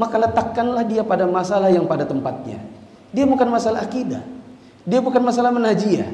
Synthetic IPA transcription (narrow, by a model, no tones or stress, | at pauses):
makalət̪akːanlahdiapadamasalahjaŋpadat̪əmpat̪̚ɲa̰ | diabukanmasalaɦːkida | diabukanmasalahmənad͡ʒia̰